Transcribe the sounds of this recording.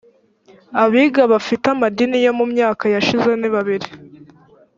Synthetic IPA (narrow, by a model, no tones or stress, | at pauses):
aβiːɡaβafitamadinijo̞mumɲaːkajaʃize̞niβaβiɾi